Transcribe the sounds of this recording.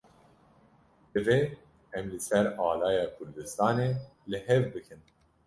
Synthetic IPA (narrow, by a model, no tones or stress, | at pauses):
d̪ɨve | ɛmlɨsɛɾɑːlɑːjɑːkʰʊɾd̪ɨst̪ɑːneːlɨɦɛvbɨkʰɨn